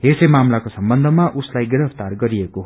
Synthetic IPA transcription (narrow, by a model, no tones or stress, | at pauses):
ɦesʌjmamlakosʌmbʌnd̪ʱʌmaʔuslajɡiɾʌpʰt̪arɡʌɾiekoɦ